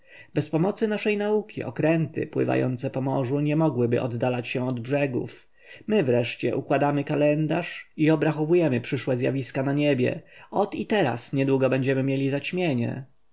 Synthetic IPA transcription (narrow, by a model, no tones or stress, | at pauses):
bɛspɔmɔt̪sɘnaʂɛjnaukʲiʔɔ̰kɾɛnt̪ɘ̰pwɘ̰va̰jɔ̰nt̪sɛpɔmɔʐuɲɛmɔɡwɘbɘ̰ʔɔd̪ːalat͡ɕɕɛɔd̪bʐɛɡṵf | mɘvɾɛʂt͡ɕɛ̰ʔukwad̪amɘkalɛnd̪aʂiɔbɾaxɔvujɛmɘpʂɘʂwɛzʲja̰vʲiskanaɲebʲjɛ̰ɔt̪it̪ɛɾa̰sɲɛd̪wuɡɔbɛɲd͡ʑɛmɘmʲjelʲizat͡ɕmʲjeɲɛ̰